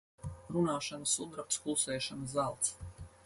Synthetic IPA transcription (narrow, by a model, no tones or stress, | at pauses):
ɾunaːʃanəsud̪ɾap̚t̪skulˠsɛːʃanzzalˠt̪s